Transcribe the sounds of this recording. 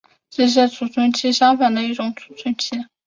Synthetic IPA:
ʈ͡ʂə˥˧ʂ̬̩˥˩t͡sʰu˨˩t͡sʰə˥nt͡ɕʰi˥ʂɑ˥ŋfa˨˩nd̪ə˦i˥˩ʈ͡ʂʊ˨˩˦ŋt͡sʰu̥˨˩t͡sʰwə˥nt͡ɕʰi˥

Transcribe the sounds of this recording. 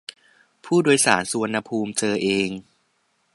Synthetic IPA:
pʰuː˥˩doː˧jsa̰ː˩˦nsu˧a˧nːa˧pʰuː˧mt͡ɕɤː˧ʔeː˧ŋ

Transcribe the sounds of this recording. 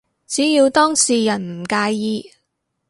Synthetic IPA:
t͡siː˨˥jiː˧wt̪ɔː˥ŋsiː˨˩jɐ˨˩nm̩˨˩kaː˧jːiː˧

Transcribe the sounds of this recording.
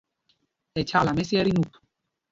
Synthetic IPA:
ɛ˨t͡ʃʰa˨la˨mɛ˦si˦ɛ˦ɾi˦nu˨t̪

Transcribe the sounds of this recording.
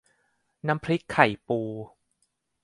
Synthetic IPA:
na˦˥mpʰɾi˦˥kʰːa˨˩˦jpuː˧

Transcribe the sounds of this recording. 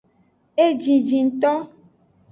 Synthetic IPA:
e˦d͡ʒĩ˨d͡ʒĩ˨ŋ̩˨t̪ɔ˦

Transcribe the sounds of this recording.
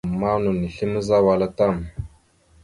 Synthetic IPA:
ma˦nu˨ni˨ɬi˦mə˦za˦wa˨la˦ta˦˨m

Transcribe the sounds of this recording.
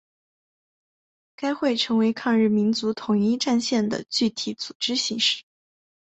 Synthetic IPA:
ka˥ɪxwe˥˩ɪʈ͡ʂʰɤ˧˥ŋwe˧˥ɪkʰɑ˥˧ŋɻ̩˥˩mi˧˥nt͡su˧˥t̪ʰʊ˨˩ŋi˥ʈ͡ʂa˥˧nɕjɛ˥˩nd̪ə̰˩t͡ɕy˥˩t̪ʰi˧˩˥t͡su̥˨˩ʈ͡ʂɻ̩˥ɕi˧ŋʂɻ̩˥˩

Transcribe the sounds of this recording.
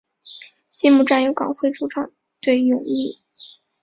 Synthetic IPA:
t͡ɕɛ˥˧mu˥˧ʈ͡ʂa˥˩njo˧˥ʊkɑ̰˨˩ŋxwe˥˧ɪʈ͡ʂu˥ʈ͡ʂʰɑ˨˩˦ŋ | t̪we˥˩ɪjʊ˨˩ŋli˥˩

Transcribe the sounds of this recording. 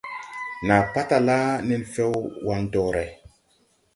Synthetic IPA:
na˨pa˦ta˨la˦ni˦nfɛ˦wwa˦ndɔ˨ɾɛ˨

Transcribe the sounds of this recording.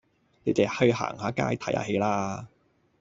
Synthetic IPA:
ne˨˧t͡sɛ˨˩hɵ˧ɥɦa̰ː˨˩ŋhaː˨˥kaː˥jt̪ʰɐ˨˥jha̰ː˧˩ɦe˨˧jlaː˧

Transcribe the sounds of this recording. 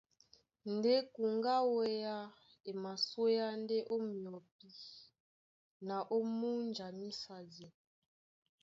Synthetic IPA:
nde˦ku˨ŋɡa˦wɛ˦ja˦ | e˨ma˨swe˦ja˦n˦de˦ʔo˦mi˨ɔ˨p̚i˦ | na˨ʔo˦mu˦nd͡ʒa˨mi˦sa˨dɛ˨

